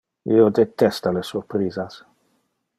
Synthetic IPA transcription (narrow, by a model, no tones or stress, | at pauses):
iod̪et̪ɛst̪alesurpɾiːzas